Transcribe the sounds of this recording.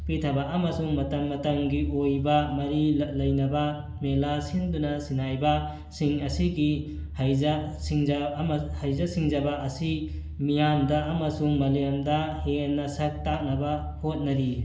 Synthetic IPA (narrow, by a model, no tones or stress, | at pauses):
pitʰɐbaʔːmɐsuŋmɐtɐmːɐtɐŋɡiʔojbɐmɐɾilɐjnɐbɐ | melasindunɐsinajbɐ | siŋɐsiɡi | hajzɐsiŋzahajzɐsiŋzɐbɐɐsi | mijandɐʔːmɐsuŋmɐlijɐmdɐhenːɐsɐk̚tak̚nɐbɐ | hot̚nɐɾi